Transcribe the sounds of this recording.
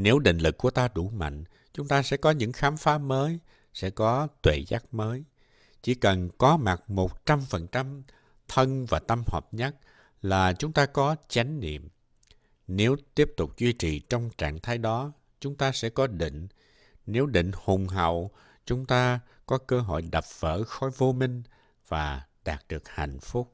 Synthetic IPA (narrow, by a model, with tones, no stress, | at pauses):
ne˨˦wɗḭ˧˨ŋ̟lɨ˨˩k̚ːu˧˩ət̪aː˧ɗu˧˩ma̰˧˨jŋ̟ | t͡ɕʊ˨˦ŋ͡mt̪aː˧sɛ̰˧˥kɔ˨˦ɲɨ̰˧˥ŋxaː˨˦mfaː˨˦məː˨˦j | sɛ̰˧˥kɔ˨˦t̪we˧˨zaː˦˥k̚məː˨˦j | t͡ɕi˧˩kə˨˩nkɔ˨˦ma˨˩t̚mo˨˩t̚t͡ɕa˧mfə˨˩nt͡ɕa˧m | t̪ʰə˧nvaː˨˩t̪ə˧mhə̰˨˩p̚ɲə˦˥t̚ | laː˨˩t͡ɕʊ˨˦ŋ͡mt̪aː˧kɔ˨˦t͡ɕa˨˦jŋ̟nḭ˧˨əm | ne˨˦wt̪i˦˥əp̚t̪ʊ˨˩k͡p̚zwi˧t͡ɕḭ˨˩t͡ɕɔ˧wŋ͡mt͡ɕa̰ː˧˨ŋt̪ʰaː˨˦jɗɔ˨˦ | t͡ɕʊ˨˦ŋ͡mt̪aː˧sɛ̰˧˥kɔ˨˦ɗḭ̈˧˨ŋ̟ | ne˨˦wɗḭ̈˧˨ŋ̟hʊ˨˩ŋ͡mɦa̰˧˨w | t͡ɕʊ˨˦ŋ͡mt̪aː˧ | kɔ˨˦kəː˧ɦɔ̰˧˨jɗa˨˩p̚v̥ə̰ː˧˥xɔ˨˦jvo˧mï˧ŋ̟ | v̥aː˨˩ɗaː˨˩k̚ɗɨ˨˩ək̚ha̰˧˩˨jŋ̟fʊ˦˥k͡p̚